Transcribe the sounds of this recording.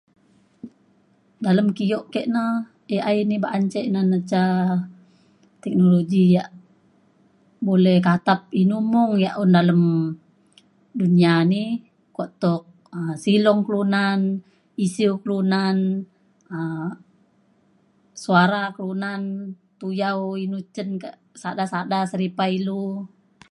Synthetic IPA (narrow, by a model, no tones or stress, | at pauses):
daləmkiɔʔkɛʔna | eainibaʔaɲt͡ʃɛʔnanət͡ʃa | t̪ɛk̚noloɡijaʔ | bolɛhkat̪ap̚inumɔŋjaʔundaləm | duniani | kɔʔt̪ɔk̚ | əsilɔŋklunan | isiukəlunan | ə | suaɾaklunan | t̪ujauinut͡ʃənkaʔsadasadasəɾipailu